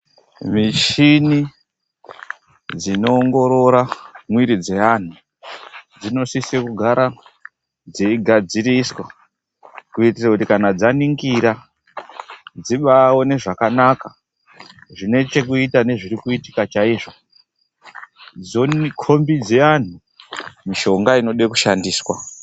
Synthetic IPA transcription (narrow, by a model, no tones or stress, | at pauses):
miʃini | d͡zino̞ːŋɡo̞ɾo̞ɾamwiɾid͡ze̞an̤u | d͡zino̞sisekuɡʱaɾa | d͡zeiɡʱad͡ziɾiswa | kuitirakutikanad͡zaniŋɡiɾa | d͡ziɓawo̞ne̞ʐakanaka | ʐine̞t͡ʃe̞kuitane̞ʐirikuiti̥kat͡ʃaiːʐo̞ | d͡zonkʰo̞mbid͡ze̞an̤u | miʃo̞ŋɡaino̞ɗekuʃandiːswa